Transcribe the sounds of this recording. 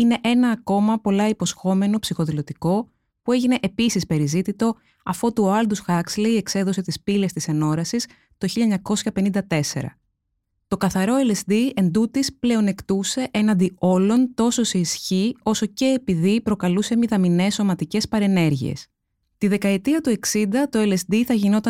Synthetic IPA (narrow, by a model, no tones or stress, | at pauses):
ine̞ʔe̞nɐːko̞mɐpo̞lɐipo̞sxo̞me̞no̞psixo̞ðilo̞t̪iko̞ | pue̞ʝine̞ʔepisispe̞ɾizit̪it̪o̞ | ɐfot̪uɐld̪usxɐksleie̞kse̞ðo̞se̞t̪ispile̞st̪isɐno̞ɾɐsis | t̪o̞çiʎɐɲɐko̞sçɐpe̞nind̪ɐt̪e̞se̞̰ɾɐ̰ | t̪o̞kɐθɐɾo̞elesd̪ie̞nd̪ut̪isple̞o̞ne̞kt̪use̞ʔe̞nɐnd̪io̞lo̞nt̪o̞so̞seisçio̞so̞ce̞ːpiðipɾo̞kɐluse̞miðɐmine̞sːo̞mɐt̪ice̞spɐɾe̞ne̞ɾʝḭe̞̰s | t̪iðe̞kɐet̪iɐt̪ue̞ksind̪ɐt̪o̞ele̞sd̪iθɐʝino̞t̪ɐ